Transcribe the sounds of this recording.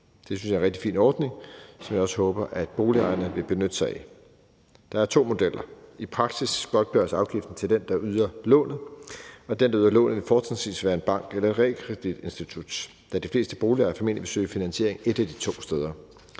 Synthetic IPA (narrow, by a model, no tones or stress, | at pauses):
d̥e̝synsjɑ̈enʁɛɡ̚d̥ifḭːnɒːd̥ne̝ŋsɒ̽mjɑ̈ɒ̽sə̥hɔ̽ːb̥ɐʔæd̥̚b̥o̝ːliɑ̈ɪɐnəʋe̝b̥e̝nød̥əsɑ̈ɪi | d̥ɑ̈æɐt͡sʰo̝̰ːmo̝d̥el̰ɐipʰʁɑ̈ɡ̥sisɡ̥ɒ̽ɡ̥̚b̥ɶɐsɑ̈ʊɡ̥ifd̥n̩t͡sʰe̝ld̥end̥ɑ̈ʔyð̞ˠɐlɔ̰̽ːnð̩ˠɒ̽d̥end̥ɑyðˠɐlɔ̰̽ːnð̩ˠʋe̝fɒ̥ːsensʋḭːsʋæːɐe̝nb̥ɑ̈ŋ̰ɡ̥elɐe̝d̥ʁɛ̰kʰʁɛd̥id̥e̝nsd̥it͡sʰud̥ | d̥æd̥ifle̝̰ːsd̥əb̥o̝ːliɑ̈ɪɐfɒme̝n̰lib̥e̝sø̰ɪɐfinænɕe̝ɐeŋe̝d̥æd̥it͡sʰo̝̰ːsd̥eːð̞ˠɐ